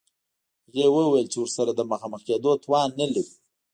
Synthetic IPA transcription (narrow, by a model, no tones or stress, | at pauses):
ɣewəwajəlt͡ʃewʊɾsaɾad̪əməxɑməxed̪ot̪wɑnːəlaɾi